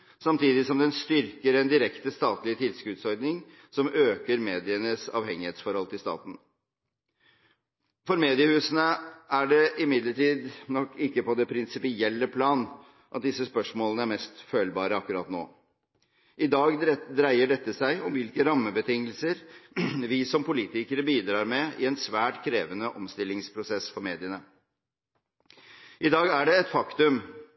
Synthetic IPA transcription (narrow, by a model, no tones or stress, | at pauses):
sɑmt̪ʰiːd̪ɪsɔmd̪ɛnst̪ʏɾkəɾɛnd̪ɪɾɛkt̪əst̪ɑːt̪lɪt̪ʰɪlskʉd̪sɔɾd̪nɪŋ | sɔmøːkəɾmeːd̪ɪənəsɑ̰ːʋhɛŋːɪheːt̪sfɔɾhɔlt̪ʰɪlst̪ɑ̰ːt̪n̩ | fɔɾmeːd̪ɪəhʉːsənəæɖɛʔɪmɪd̪ləʈiːd̪nɔkːɪkːəpɔd̪ɛpʰɾɪnsɪpɪɛlːəpʰlɑːn | ʔɑt̪̚d̪ɪsːəspœʂmoːlənəæɾmɛst̪føːlbɑːɾəɑkːʉɾɑ̰ːt̪no̰ː | ʔɪd̪ɑːɡd̪ɾæɪəɖɛt̪ːəsæɪɔmʋɪlkəɾɑmːəbət̪ʰɪŋːəlsəɾʋɪsɔmpʊliːt̪ɪkəɾəbiːd̪ɾɑːɾmɛɪɛnsʋæːʈkʰɾeːʋənəʔɔmst̪ɪlːɪŋspʰɾʊsɛsfɔɾmeːd̪ɪənə | ʔɪd̪ɑːɡæɖɛɛt̪fɑkt̪ʉm